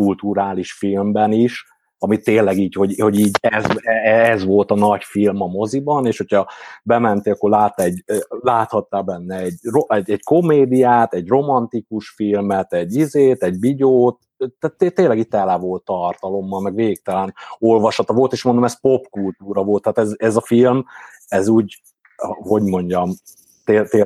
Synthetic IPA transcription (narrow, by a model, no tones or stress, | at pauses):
kult̪uɾaːliʃfilmbɛniʃ | ɒmit̪ːeːnlɛɡiːcho̞ɟho̞ɟiːɟɛzɛzʋo̞lt̪ɒnɒcfilmɒmo̞zibɒneːʃho̞cʰɒbɛmɛnt̪eːɒkːorlaːt̪ɛɟlaːt̪hɒt̪ːaːbɛnːɛɛɟroɛɟɛcko̞meːd̪ijaːt̪ɛɟro̞mɒnt̪ikuʃfilmɛt̪ɛɟːizeːt̪ɛɟbiɟoːt̪ | t̪t̪et̪ːeːnlɛɡit̪ːɛlɛvo̞lt̪ːɒrt̪ɒlo̞mːɒlmɛɡʋeːɡik̚t̪ɛlɛno̞lvɒʃɒt̪ɒvo̞lt̪eːʃmnd̪omɛspo̞pkult̪uːɾɒvo̞lt̪ːaːt̪ɛzɛzɒfilm | ɛzuːɟ | ho̞ɟmo̞ɲɟɒm | t̪eːt̪e